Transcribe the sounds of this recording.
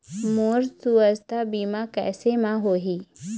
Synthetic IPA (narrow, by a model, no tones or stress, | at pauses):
moːɾsuəst̪abiːmakɛ̰ːsemãɦoːɦi